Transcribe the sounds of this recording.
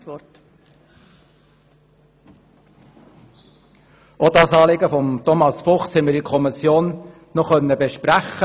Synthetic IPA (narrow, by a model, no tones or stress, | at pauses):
ɔt | ʔodɑsɑːleɡəfɔmtɔmɑsfɔχshɛmːəɾikʰɔmisjoːn | nɔχœnːəbeʃpɾæχə